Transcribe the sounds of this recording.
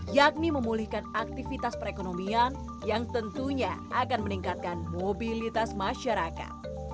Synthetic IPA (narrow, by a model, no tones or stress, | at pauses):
jak̚niməmulihkanak̚t̪ifit̪aspəɾekonomian | jaŋt̪ənt̪uɲaakanməniŋkat̪̚kanmobilit̪asmaʃaɾaka̰t̪̚